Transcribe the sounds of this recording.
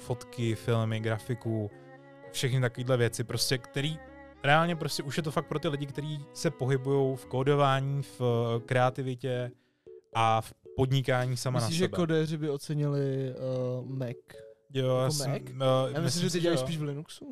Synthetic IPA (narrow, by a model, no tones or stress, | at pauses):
fo̞t̪kɪfɪlmɪɡɾafɪku | fʃɛxnɪt̪akoviːdlɛvjɛt͡sɪpɾo̞scɛkt̪ɛɾiː | ɾɛaːlɲɛp̬ɾo̞scɛʔuʃjɛt̪o̞fakt̪̚pɾo̞t̪ɪlɪɟɪkt̪ɛɾiːsɛpo̞ɦɪbujo̞wfkodo̞vaːɲiːfkɾɛat̪ɪvɪcɛ | ʔafpo̞dɲɪkaːɲiːsamaanaisʒɛbɛkodɛːrɪbɪot͡sɛɲɪlɪ | mɛkjojaːsɪkjamɪslɪmʒɛɟɛajsiːʃvlɪnuksu